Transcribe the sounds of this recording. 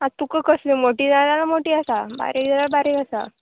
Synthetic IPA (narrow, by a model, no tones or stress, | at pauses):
at̪ukəkəslimoʈiːd͡zat̪alamoʈiːasaba̰ɾed̪alabaɾekasa̰